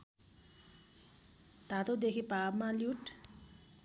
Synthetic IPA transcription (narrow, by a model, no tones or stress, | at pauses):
t̪at̪od̪ekʰipabmaljuʈ